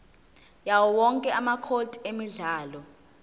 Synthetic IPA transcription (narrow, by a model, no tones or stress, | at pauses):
jawɔwɔŋkʼɛamakʰotʰʼiemiɮaːlɔ